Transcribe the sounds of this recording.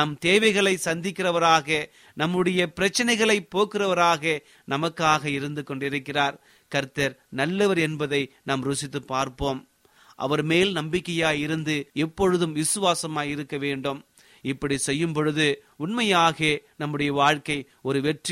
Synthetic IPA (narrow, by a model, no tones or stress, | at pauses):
nɐmt̪eːʋɐɪɣɐɭɐɪsɐnd̪ɪkːɪrɐʋɐɾaːɣɐ | nɐmːɯɽɐjɐpɪɾɐt͡ʃːɐnɐɪɣɐɭɐɪpːoːkɪrɐʋɐɾaːɣɐ | nɐmɐkːaːɣɐɪɾɯnd̪ɯkːɔɳɖɪɾɯkːɪraːɾ | kɐɾt̪ɐɾnɐlːɯʋɐɾɛnbɐðɐɪnaːmɾʊsɪt̪ːɯpːaːɾpoːm | ʔɐ̰ʋɐɾmeːlnɐmbɪkːɐjaːjɪɾɯnd̪ɯɛpːɔɻɯðɯmʋɪsɯʋaːsɐmaːjɪɾɯkːɐʋeːɳɖɯm | ɪpːɐɽisɛjːɯmpɔɻɯðɯʊɳmɐjaːɣeːnɐmːɯɽɐjɐʋaːɻkɐɪ | ɔɾɯʋɛʈri